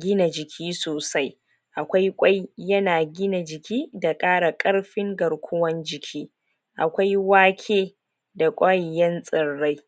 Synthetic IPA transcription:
ɡʲɪ˦na˨d͡ʒɪ˨kʲʰiː˦soː˨sa˦j | ʔa˨kʷa˦jkʷʼa˦jjɐ˦naː˨ɡʲɪ˦na˨d͡ʒɪ˨kʲiː˦da˨kʼaː˦ɽa˨kʼɐ˦ɽɸɪ˦ŋɡɐ˨ɽkʷʰʊ˦wɐ˦nd͡ʒɪ˨kʲʰiː˦ | ʔa˨kʷa˦jwaː˦kʲʰeː˦ | da˨kʷʼɐ˦jːɐ˦nsʼɪ˨ɽːa˦j

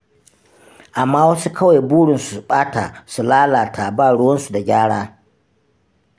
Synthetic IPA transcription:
ʔa˨mːaː˦wɐ˦su˦kʰɐ˦wa˨jbuː˦ɽɪ˨nsu̥˨ɓaː˦ta̰˨su˨laː˦laː˨tʰa˨baː˦˨ɽʊ˦wɐ˦nsu˨da˨ɡʲaː˦ɽaː˦

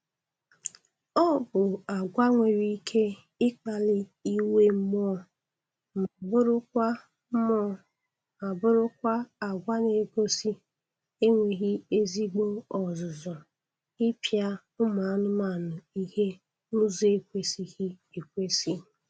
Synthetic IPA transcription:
ɔ˦bʊ˨a˨ɡʷa˦ŋʷe˨ɾi˦kʰe˦ | ɪ˦k͡pa˨lɪ˦i˦we˦m̩˦mɔ˦˨ | m˨bʊ˦ɾʊ˦ | m˦ | a˨bʊ˦ɾʊ˦kʷa˦a˨ɡʷa˦ne˨ɡo˦si˦ | e˦ŋʷe˨ɣi˦e˦zi˦ɡ͡bo˦ɔ˨zʊ˨zɔ˨ | ɪ˦pja˦ | ʊ˦ma˨˦nʊ˦ma˨nʊ˨i˦he˦ | nʊ˦ze˨kʷe˦si˦ɣi˦e˨kʷe˦si˦

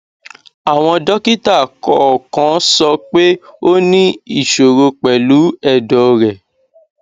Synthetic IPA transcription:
a˨w̃ɔ̃˧dɔ˦ki˦ta˦˨kɔ˨˦ɔ˨kã˨˦sɔ˧k͡pe˦o˦nĩ˦i˦˨ʃo˨ɾo˧k͡pɛ˨lu˨˦ɛ˦˨dɔ˨ɾɛ˨

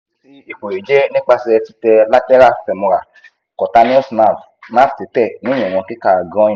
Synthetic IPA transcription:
si˦i˨k͡po˨e˨d͡ʒɛ˦nĩ˦k͡pa˧sɛ˧ti˦tɛ˧la˦tɛ˦ɾa˦˨fɛ˨mũ˧ɾa˨ | kɔ˨ta˧nĩ˦ɔ˦sna˨f | na˦˨fti˨˦tɛ˦˨nũ˨˦ɔ̃˨ɔ̃˧ki˦ka˧˨ɡɔ̃˦ĩ˦˨

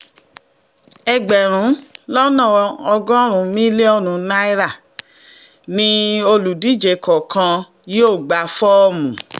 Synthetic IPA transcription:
ɛ˧ɡ͡bɛ˨ɾ̃ũ˨˦lɔ˦nã˦˨ɔ˧ɡɔ̃˦ɾ̃ũ˨˦mĩ˦le˦ɔ˦˨ɾ̃ũ˨˧˦na˦i˦ɾa˦˨ | nĩ˦o˧lu˨di˨˦d͡ʒe˨kʰɔ˨kʰã˧ | ji˦o˦˨ɡ͡ba˨fɔ˦ɔ˦˨mũ˨

